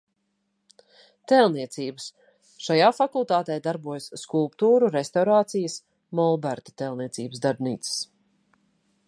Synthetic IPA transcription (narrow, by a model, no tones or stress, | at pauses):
t̪ɛlˠniɛt̪siːbəs | ʃajaːfakulˠt̪aːt̪ɛjd̪aɾbuɔjskulˠpt̪uːɾuɾest̪awɾaːt̪sijəs | mɔlˠbæɾt̪ḁt̪ɛlˠniɛsḭːbəsd̪aɾbnḭːt̪sə̥s